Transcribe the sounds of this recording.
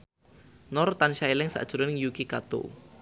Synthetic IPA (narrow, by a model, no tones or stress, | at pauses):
nɔrt̪anʃaelɪŋsa̰ʔd̥ʒ̥ṳɾʊnɪŋjukikat̪ṵ